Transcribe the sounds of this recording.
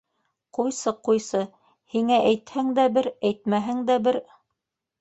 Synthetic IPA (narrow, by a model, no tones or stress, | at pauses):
qujsɤqujsɤ | hiŋæʔæjt̪hæŋd̪æbɘɾæjt̪̚mæɦɘŋd̪æbɘɾ